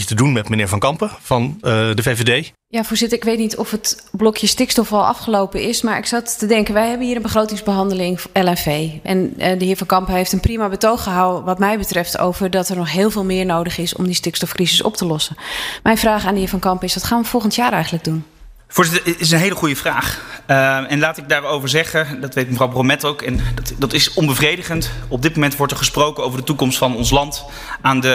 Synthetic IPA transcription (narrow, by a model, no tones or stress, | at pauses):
ətədunmɛtmənɪːɹvɑ̃ŋkɑmpəfɑndəvevedej | jaːfʊːɹzɪtəɹɪkʋejtnitʰɔfətblɔkjəstɪkstɔfɑlˠʔɑ̰fχəlowpəɪsmaːɹɪksɑtədɛŋkənʋɛjɦɛbənɦiːɾənbəχrowtɪŋzbəɦɑndəlɪŋʔɛlɛnvejʔɛ̰ndəɦɪːɹvɑnkɑmpəɦejftənprimabətowχəɦawəʋɑtmɛjbətrɛftʰo̰wvərdɑtɛɹnɔχɦɪːlˠvɪːlˠmɪːɹnowdəχɪsɔ̰mdistɪkstɔfkrizəsɔ̰ptəlɔsənmɛjnvraːχaːndəɦɪːɹfɑnkɑmpəɪsʋɔtχaːnʋəfɔlˠχəntjaːɾɛjxənləɡ̚dun | fʊːɹzɪtəɪs̬ənɦejləχujəvraːχ | ɛnlaːtɪɡ̚daːɹowvəɹzɛχədɑtʋejt̚məvrɑwbromɛtowkɛndɑtɪsɔmbəvrejdəχəntɔb̚dɪt̚momɛntʋɔɹtɛɹχəsprowkənowvəɹdətukɔmstfɑnɔnslɑnt | aːndə